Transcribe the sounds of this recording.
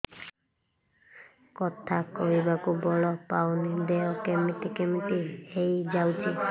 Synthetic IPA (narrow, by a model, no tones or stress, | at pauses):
kɔt̪ʰakɔɦibakubɔɭɔpawnid̪eɔkemiʈikemiʈiejd͡ʒawt͡ʃʰi